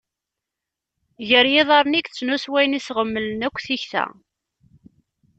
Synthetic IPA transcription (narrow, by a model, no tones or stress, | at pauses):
ʝəɾjɪðˤɑɾˤnikt͡sːnuswæjnisʁəmːələnækʷːθiçθæ̰